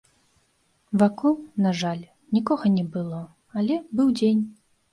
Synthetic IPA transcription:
vakɔwnaʐalʲ | nʲikɔɣɐnʲɛbɨlˠɔ | alʲɛbɨwd͡zʲenʲ

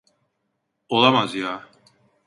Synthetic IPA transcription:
olˠamazjaː

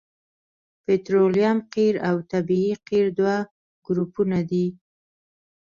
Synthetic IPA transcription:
pet̪ɾolijamqiɾawt̪abiiqiɾd̪wa | ɡ̥ɾupunad̪i

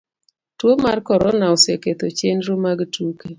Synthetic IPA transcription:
twomarkɔɾɔnaɔseket̪ot͡ʃenɾomaɡtuke

